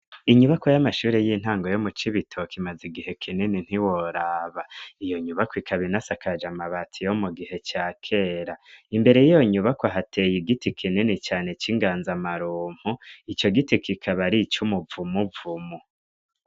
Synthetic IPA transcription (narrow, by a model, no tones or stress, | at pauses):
iɲuβakojamaʃuːɾejiːn̥haːŋɡojomut͡ʃiβitʰokimaziɡihe̞kʰininin̥hiwoɾaːβaijo̞ɲuβakwikʰaβinasakʰad͡ʒamaβatʰijomuɡihe̞t͡ʃaːkʰe̞ːɾaimbe̞ɾejijo̞ɲuβakwaɦatʰejiɡitikʰininit͡ʃaːne̞t͡ʃiŋɡaːnzamaɾuːm̥huit͡ʃo̞ɡitikʰikʰaβaɾit͡ʃumuvumuvumu